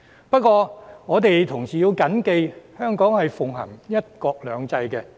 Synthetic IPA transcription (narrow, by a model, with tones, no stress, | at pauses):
pɐ˥t̚kʷɔː˧ŋɔː˨˧t̪e˨jt̪ʰʊ˨˩ŋsiː˨ji˧wkɐ˨˥nke˧jhœː˥ŋkɔː˨˥ŋhɐ˨jfʊ˨ŋɦɐ̰˨˩ŋjɐ˥t̚kɔː˧k̚lœː˨˧ŋt͡sɐ˧jkɛ˧